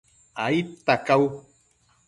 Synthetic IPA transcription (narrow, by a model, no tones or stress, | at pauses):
ait̪ːakaw